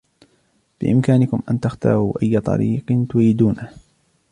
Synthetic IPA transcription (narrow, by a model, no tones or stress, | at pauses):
b̥ɪ̰ʔɪmkaːnɪkʊmʔant̪axt̪ɑ̰ːɾˤuːʔajːat̪ˤɑ̰ɾiːqnt̪ʊɾiːd̪uːna